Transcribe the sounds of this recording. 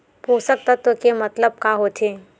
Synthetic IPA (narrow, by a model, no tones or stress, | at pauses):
puːsək̚t̪ət̪wəkemɐt̪ləb̚kaɦot̪ʰeː